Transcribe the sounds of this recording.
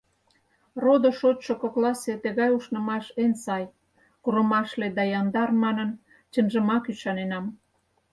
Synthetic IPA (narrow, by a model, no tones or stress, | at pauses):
rod̪ŏʃot͡ɕʃokoklɑset̪əɣɑjuʃnə̆mɑʃensɑj | kuɾə̆mɑʃled̪ɑjɑnd̪ɑrmɑnən | t͡ɕə̆nʒə̆mɑkyʃɑnenɑm